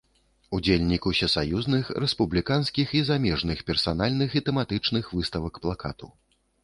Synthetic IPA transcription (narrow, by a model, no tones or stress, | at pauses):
ud͡zʲelʲnʲikusʲɛsajuznɨxɾɛspublʲikanskʲixizamʲɛʐnɨxpʲɛrsanalʲnɨxit̪ɛmat̪ɨt͡ʂnɨxvɨst̪ɐvɐkplˠakat̪ṵ